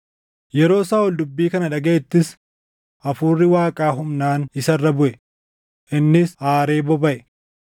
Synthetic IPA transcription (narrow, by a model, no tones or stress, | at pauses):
jɛɾo̞ːsaːwɔld̪ʊbːiːkɐnɐᶑɐɡeeːt̪ːɪs | ʔɐfuːrːɪwaːkʼaːɦʊmnaːnɪsɐrːɐbʊʔɛ | ʔɪnːɪsaːɾe̞ːbɔbɐʔɛ